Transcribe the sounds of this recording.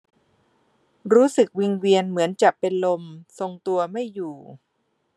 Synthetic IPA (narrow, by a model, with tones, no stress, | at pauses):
ɾuː˦˥sɯ˨˩k̚wi˧ŋwi˧ənmɯ˩˦ənt͡ɕa˨˩ppe˧nlo˧mso˧ŋt̪u˧ɐma˥˩jːuː˨˩